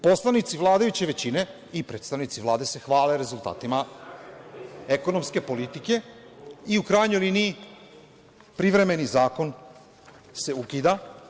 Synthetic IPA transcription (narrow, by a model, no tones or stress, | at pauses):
po̞slˠanit̪siʋlˠaːd̪ajut͡ɕe̞ʋe̞t͡ɕine̞ | ipɾe̞ːt̪st̪aʋnit̪siʋlˠaːd̪e̞se̞xʋaːleɾe̞zulˠt̪a̰ːt̪ima | eko̞no̞mske̞po̞lit̪ike̞iukɾaːjɲo̞jliniː | pɾiʋɾe̞me̞nizaːko̞n | se̞ukiːd̪a